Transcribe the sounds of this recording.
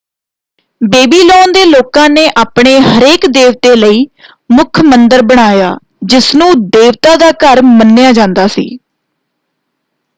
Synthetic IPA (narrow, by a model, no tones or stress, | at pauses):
beːbiːlɔːnd̪eːloːkãːneːʔaːpɳeːɦəɾeːkd̪eːʋt̪eːləiː | mʊkʰmənd̪əɾbəɽ̃aːja̰ː | d͡ʒɪsnũːd̪eːʋt̪aːd̪aːkəɾmənːɪjaːd͡ʒãːnd̪aːsḭː